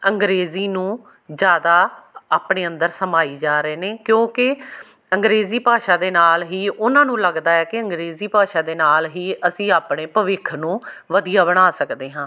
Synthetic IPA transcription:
əŋɡɾeːziːnũː | d͡ʒjaːd̪aːaːpɳeːənd̪əɾsəmaːiːd͡ʒaːɾeːneːkjõːkɪ | əŋɡɾeːziːpaːʃaːd̪eːnaːlɦiːʔʊnãːnũːləɡd̪aːɛːkɪəŋɡɾeːziːpaːʃaːd̪eːnaːlɦiːəsĩːaːpɽeːpəʋɪkʰnũːʋəd̪ijaːbəɽ̃aːsəkd̪eːɦãː

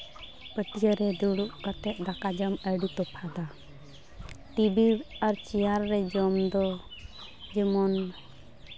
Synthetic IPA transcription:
pəʈijəɾɛd̪uɽuʔkat̪ɛʔ̪̚d̪akad͡ʒɔməɖit̪ɔpʰad̪a | ʈibiɾaɾt͡ʃijaɾːɛd͡ʒɔmd̪ɔ | d͡ʒɛmɔn

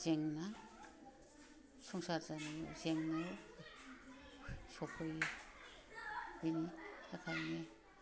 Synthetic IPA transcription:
zeŋna | suŋsazanizeŋna | sɔkʰɯj | biniakʰajne

